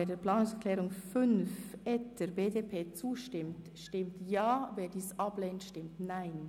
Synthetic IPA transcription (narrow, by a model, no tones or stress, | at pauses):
eɐdːpl̥aːnʊŋsɛklɛːʁʊŋfʏnfɛtd̥əɾbeːdeːpʰeːt͡suːʃtɪmt | ʃtɪmtjaːveːdiːsʔɑbleːntʃtɪmtnaɪn